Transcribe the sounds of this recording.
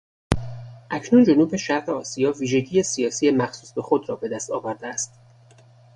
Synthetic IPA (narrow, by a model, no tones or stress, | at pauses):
ʔæcʰnund͡ʒonuːbe̞ʃæɾɢeɒːsijɒːviːʒe̞ɟiːjesijɒːsiːjemæxsuːsbe̞xo̞d̪ɾɒːbe̞d̪æst̪ɒːvæɾd̪eæst̪